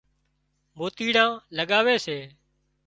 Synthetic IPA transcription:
moːt̪iːɽãːləɠaːʋeːseː

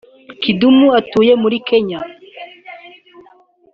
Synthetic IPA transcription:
kidumuatuːje̞muɾike̞ɲa

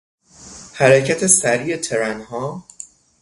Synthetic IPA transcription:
hæɾecʰæt̪ʰe̞sæɾiːe̞t̪ʰe̞ɾænhɒː

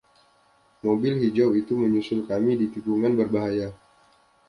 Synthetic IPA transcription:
mobilhid͡ʒawit̪uməɲusʊlkamidit̪ipuŋanbərbaɦaja

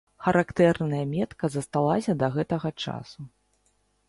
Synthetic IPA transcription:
xɐɾʔakt̪ɛrnɐjɐmʲɛt̪kɐzɐst̪alˠasʲɐd̪ɐɣɛt̪ɐɣɐt͡ʂa̰su

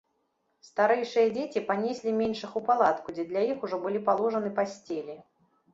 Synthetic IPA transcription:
st̪aɾɛjʂɨjɐd͡zʲet͡sʲipanʲesʲlʲimʲenʂɨxupalˠat̪kud͡zʲɛd̪lʲajixuʐɔbɨlʲipalˠɔʐɐnɨpasʲt͡sʲelʲi

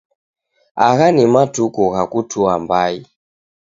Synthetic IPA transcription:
aɣanimatukɔɣakutʰuambai

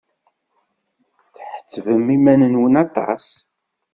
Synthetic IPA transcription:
θħə̥t͡sːvəmimænənwənɑt̪ˤɑ̰s

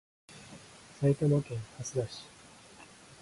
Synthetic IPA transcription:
sait̪amokẽŋhasɨd̪aɕi̥

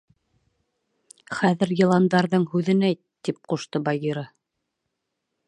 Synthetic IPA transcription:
χæðɘ̆ɾjɤ̆lˠɑnd̪ɑɾðɤɴhʉðɘ̆næjtt̪ːip̚quʃt̪ɤbɑjiɾɑ

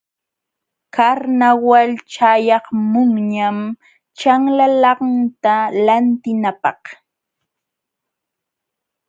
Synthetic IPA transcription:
kaɾnawalt͡ʃajɑχmʊŋɲam | t͡ʃaŋlalɑŋt̪alant̪ɪnapɑχ

